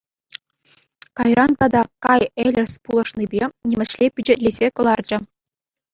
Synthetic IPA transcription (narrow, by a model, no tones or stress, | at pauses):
kɑjrɑnt̪ɑd̪ɑkɑjelʲɘ̆sʲpulˠɤ̆ʂnibʲenʲemʲɘ̆ʃlʲepʲyd͡ʑĕtʲlʲezʲekɤ̆lˠɑrd͡ʑɘ̆